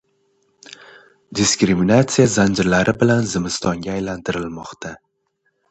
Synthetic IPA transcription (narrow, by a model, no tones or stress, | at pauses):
d̪iskɾiminat̪sijazand͡ʒɪɾlaɾʔɪbɪlanzɪmɪst̪ɒŋɡʲaːjlant̪ʰɪɾɪlmɒqt̪ʰa